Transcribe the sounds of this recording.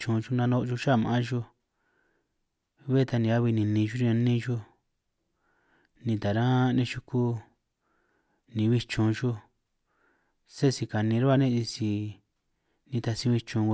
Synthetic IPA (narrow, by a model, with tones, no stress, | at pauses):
t͡ʃũ˧ʒu˧nã˧nõ˧ʔʒu˧ʃa˦˨mã˨ã˦ʒu˧ | βe˦t̪a˧nĩ˧a˦βi˧nĩ˨nĩ˧ʒu˦ɾi˧ã˧nĩ˦˧ʒu˦ | nĩ˧t̪a˨ɾã˦˧nĩ˧ʃu˧ku˦ | nĩ˧βi˧t͡ʃõ˧ʒu˧ | se˦˧si˧ka˨nĩ˧ɾu˦a˧nĩ˦˧i˧si˧ | nĩ˧t̪a˧sĩ˧βi˧t͡ʃũ˧